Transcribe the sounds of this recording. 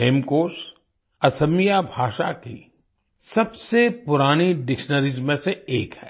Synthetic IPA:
eːmkoːs | ɐsəmijabʱaːʃa̰ki | sɐbsepʊɾaːniɖɪkʃnəɾɪzmẽseeːkhɛː

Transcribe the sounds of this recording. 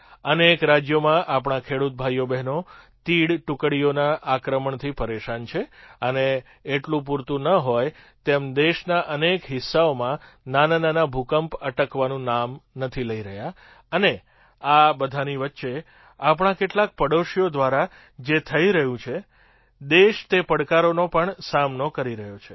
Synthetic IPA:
ənekɾad͡ʒjomãʔapɽ̃akʰeɽut̪̚bʱajobɛɦnot̪iɽʈʊkɽijonaʔakɾəməɳt̪ʰipəɾeʃant͡ʃʰeəneː | ʈlũp̬uɾt̪ũnəɦojt̪emd̪eʃnaʔənekɦɪsːaomã | nanananabʱukəmpəʈəkʋanũnamnət̪ʰiləiɾəɦja | əne | abəd̪ʱaniʋətːʃe | apɳ̃ãkeʈlak̚pəɽoʃijod̪ʋaɾa | d͡ʒet̪ʰəiɾəɦũt͡ʃʰe | d̪eʃt̪epəɽkaɾonopəɳsamnokəɾiɾəɦjot͡ʃʰe̥

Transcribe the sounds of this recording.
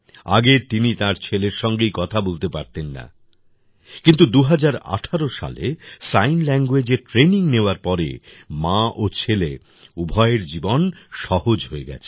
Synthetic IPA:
a̰ɡet̪init̪aɾt͡ɕʰeleɾʃɔŋɡejkɔt̪ʰabolt̪epaɾt̪enːa̰ | kint̪ud̪uɦad͡ʑaɾa̰ʈʰaɾoʃa̰lḛsajnlɛŋɡwed͡ʑeʈɾeniŋneoaɾpɔɾḛ | mãʔot͡ɕʰele | ubʱɔeeɾd͡ʑibonʃɔhod͡ʑɦoeɡɛ̰t͡ɕʰe̥

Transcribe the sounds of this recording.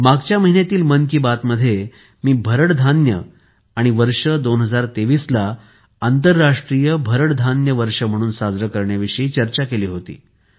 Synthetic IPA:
maɡt͡ɕjaməɦinjat̪iːlmənkiːbat̪məd̪ʱːje | miːbʱəɾəɽd̪ʱanjə̰ | aɽ̃iʋəɾʂəd̪onɦəd͡zaɾt̪eʋiːsla | ant̪əɾːaʂʈɾijəbʱəɾəɽd̪ʱanjəʋəɾʂəm̤əɽ̃uːnsad͡zɾəkəɾɳjaʋiʂəiːt͡ɕəɾt͡ɕakeliːɦot̪ḭː

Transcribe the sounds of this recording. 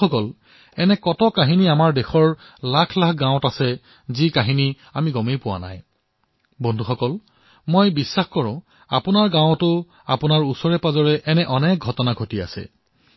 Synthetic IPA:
ɔkɔl | ɛnɛkɔtɔkaɦiniamaɹdexɔɹ | lakʰlakʰɡãw̃tasɛ | zikaɦini | amiɡɔmejpʊwa̰na̰j | bondʱuxɔkɔl | mojbisːaxkɔɹʊ̃ | a̰pʊnaɹɡãwtʊ | a̰pʊnaɹusɔɹɛpazɔɹɛʔɛnɛʔɔnɛk̚ɡʱɔtɔnaɡʱotia̰sɛ̰

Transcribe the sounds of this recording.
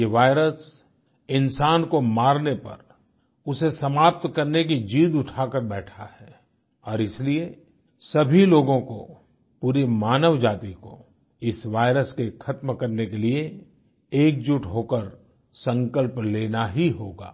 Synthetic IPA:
eʋaːɪɾəs | ɪnsaːnkomaːɾnepɐ̰ɾ | ʊsesɐmaːp̚t̪kɐɾnek̬id͡ʒiːd̪ʊʈʰaːkəɾbɛːʈʰa̰ɦɛː | ɔːɾɪslie | sɐbʱiloːɡõko̰ | puːɾimaːnəʋd͡ʒaːt̪iko | ɪsʋaːɪɾəskekʰɐt̪mkɐɾnekelie | eːk̚d͡ʒʊʈɦoːkəɾ | sɐ̃ŋkəlpleːnaɦiɦoːɡa̰ː

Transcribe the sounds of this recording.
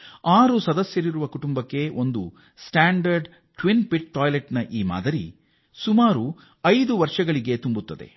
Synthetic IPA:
aːɾusɐd̪ɐsjɐɾiɾuʋɐkuʈumbɐkːe̞ʔo̞nd̪u | sʈaːɳɖɐɾɖ | ʈʋinpiʈːɔːjleʈnɐʔiːma̰ːd̪ɐɾḭ | sumaːɾu | ɐjd̪uʋɐɾʂɐɡɐɭiɡe̞t̪umbut̪ːɐd̪e̞̰

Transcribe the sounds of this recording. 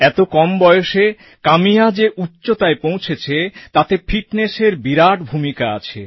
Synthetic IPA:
ɛt̪okɔmbɔjoʃe | kamijad͡ʑeʔutːɕot̪aepõwt͡ɕʰet͡ɕʰet̪at̪efʰiʈneʃeɾbiɾaʈbʱumikaa̰t͡ɕʰḛ

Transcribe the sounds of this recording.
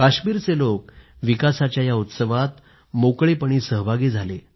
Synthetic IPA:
kaɕmiːɾt͡selok | ʋikasat͡ɕjajaut̪səʋat̪ | mokɭipəɳ̃iːsəɦbʱaɡiːd͡zʱale

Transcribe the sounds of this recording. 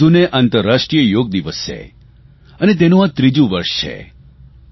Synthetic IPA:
uneʔant̪əɾːaʃʈɾijəjoɡ̚d̪iʋəst͡ʃḛ | ənet̪̬enũãt̪ɾid͡ʒũʋəɾʃt͡ʃʰḛ

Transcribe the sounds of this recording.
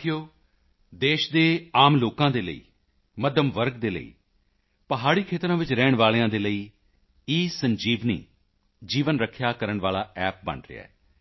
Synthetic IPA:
ɪjoː | d̪eːʃd̪eːaːmloːkãːd̪eːlə̰ḭː | məd̪jəmʋəɾɡd̪eːlə̰ḭː | pəɦaːɽiːkʰeːt̪ɾãːʋɪt͡ʃɾɛːɳʋaːleãːd̪eːləiː | iːsəɲd͡ʒiːʋnḭː | d͡ʒiːʋənɾəkʰːjaːkəɾəɳʋaːlaːɛːp̚bə̰ɳɾɪ̰a̰ːɛː

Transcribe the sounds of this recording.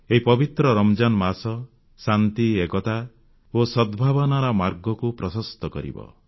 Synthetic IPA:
eɦipɔbit̪ɾɔɾɔmd͡ʒanɔmasɔ | sant̪iekɔt̪a | osɔd̪bʱabɔnaɾɔmaɾɡɔkupɾɔsɔst̪ɔkɔɾḭbɔ̰

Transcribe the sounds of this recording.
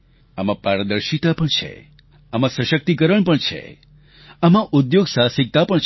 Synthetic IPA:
amãpaɾəd̪əɾʃit̪apəɳt͡ʃʰḛ | amãsəʃək̚t̪ikəɾəɳpəɳt͡ʃʰḛ | amãʔud̪joɡsasik̚t̪apəɳt͡ʃʰ

